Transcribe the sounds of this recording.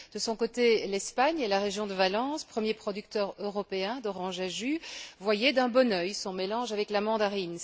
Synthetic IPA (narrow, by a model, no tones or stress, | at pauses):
d̪̥əsɔ̃kot̪elɛspaɲelaʁeʒjɔ̃d̪əvalɑ̃spχəmjepχɔd̪yk̚t̪œːʁøʁɔpeɛ̃d̪ɔʁɑ̃ʒaʒyvwajɛd̪ɛ̃bɔnœjsɔ̃melɑ̃ʒavɛklamɑ̃d̪aʁin